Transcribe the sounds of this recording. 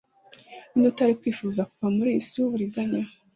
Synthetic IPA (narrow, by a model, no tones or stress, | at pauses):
inutaɾikwiːfuzakuvamuɾiːsuβuɾiɡaɲa